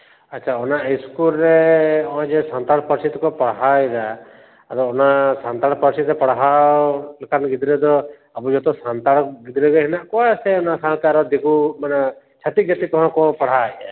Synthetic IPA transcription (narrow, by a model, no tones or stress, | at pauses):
ətːʃʰaɔnaiskulɾeɔãd͡ʒesant̪aɽpəɾsit̪ɔkɔpɔɽɦajɾa | aɾɔːnasant̪aɽpəɾsit̪ɛpɔɽ̤ɦalekanɡid̪ɾɛd̪ɔ | abud͡ʒɔt̪ɔsant̪aɽɡid̪ɾɛɡɛɦɛnaʔkɔasɛɔnasakaɾɔd̪ekumane | t͡ʃʰat̪iɡjat̪ikɔɦɔ̃kɔpɔɽ̤aja̰